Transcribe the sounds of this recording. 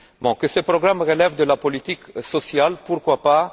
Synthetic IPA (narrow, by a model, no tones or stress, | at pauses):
mɔ̃kəsəpʁɔɡʁamʁəlɛvd̪əlapɔlit̪iksɔsjalpuʁkwapa